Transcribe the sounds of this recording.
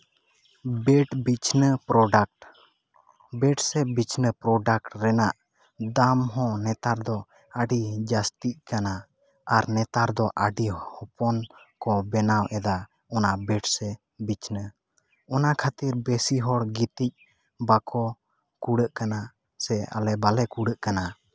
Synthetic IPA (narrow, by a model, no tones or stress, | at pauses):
bɛʈbit͡ʃnəpɾɔɖak̚ʈ | bɛʈsɛbit͡ʃnəpɾɔɖak̚ʈɾɛnaʔ | d̪amɦɔ̃nɛt̪aɾd̪ɔ | aɖid͡ʒast̪iʔkana | aɾnɛt̪aɾd̪ɔʔaɖihɔpɔnkɔbɛnawʔɛd̪a | ɔnabɛʈsɛ | bit͡ʃnə | ɔnakʰat̪iɾbesiɦɔɽɡit̪ic̚ | bakɔ | kuɽəʔkana | sɛa̰lɛbalɛkuɽəʔkana